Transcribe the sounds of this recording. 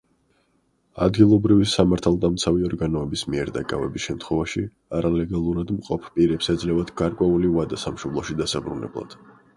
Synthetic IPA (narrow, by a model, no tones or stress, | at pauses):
a̰d̪ɡilˠɔbɾivisamaɾt̪ʰalˠd̪amt̪sʰaviɔɾɡanɔɛbismiɛɾd̪akʼavɛ̰bisʃɛmt̪ʰχwɛvaʃi | aɾalɛɡalˠuɾad̪mqʼɔpʰpʼiɾɛpsɛd̪zlɛvad̪̥ɡ̥aɾkʼwɛulivad̪asamʃɔblˠɔʃid̪asabɾunɛ̰blˠa̰d̪̥